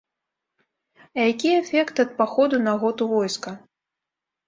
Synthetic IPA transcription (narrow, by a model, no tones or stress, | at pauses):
ɐjakʲiɛfʲɛkt̪ɐt̪̚paxɔd̪unɐɣɔt̪uvɔjskɐ